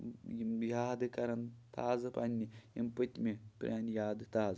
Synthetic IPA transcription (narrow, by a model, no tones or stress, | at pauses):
jijaːd̪ɨkɐɾɐnt̪aːzɨpɐnʲːijimpət̪ʲmʲepɾʲʔaːnjaːd̪ɨt̪aːz